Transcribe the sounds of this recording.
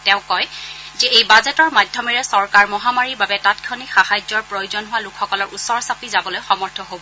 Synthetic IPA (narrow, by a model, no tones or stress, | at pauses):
tɛʊ̃kɔjzɛejbazɛtɔɹmadʱjɔmiɹɛsɔɹkaɹmɔɦamaɹiɹbabɛtatkʰonixahajzɔɹpɹojʊzɔnɦʊwalukʰxɔkɔlɔɹʔusɔɹsapʰizabɔlojxɔmɔɹtʰɔɦobɔ